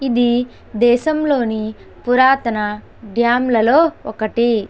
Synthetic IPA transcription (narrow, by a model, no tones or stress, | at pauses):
id̪i | d̪ɛːʃɐmlo̞ːni | puɾaːt̪ɐnɐ | ɖjaːmlɐloːɔkɐʈi